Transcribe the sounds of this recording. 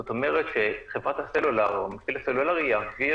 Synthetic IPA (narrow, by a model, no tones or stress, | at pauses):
ot̪omeʁet̪ʃeχevʁat̪haselulaʁmafilaselulaʁiavi